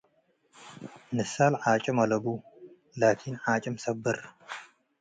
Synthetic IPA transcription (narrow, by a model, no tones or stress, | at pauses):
nɨsalʕat͡ʃʼɨmɐlɐbu | lat̪ʰinʕat͡ʃʼɨmsɐbːɨɾ